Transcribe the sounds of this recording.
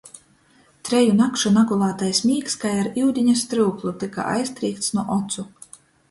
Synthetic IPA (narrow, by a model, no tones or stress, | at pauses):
t̪ɾɛjunakʃunaɡulˠaːt̪ajsmʲiːkskajaɾiwd̪ʲiɲast̪ɾɨːklˠut̪ika̰ʔa̰jst̪ɾiːk̚t̪snuɔʔɔt̪su